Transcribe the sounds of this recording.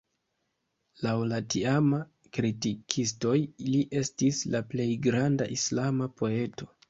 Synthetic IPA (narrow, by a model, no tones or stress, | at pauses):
lawlatiama | kɾitikʰisto̞jiliʔe̞stislaple̞jɡɾandaʔislamapo̞e̞to̞